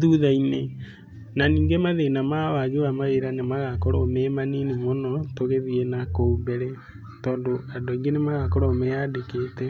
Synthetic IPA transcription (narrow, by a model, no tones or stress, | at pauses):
ðuðaine | naniːŋɡemaðenamawad͡ʒuamaeɾanemaɣakɔɾɔmɛmanenemonɔtoɣeðienakoumbɛɾɛ | tɔːndoadoiŋɡenemaɣakɔɾɔmɛadekeːtɛ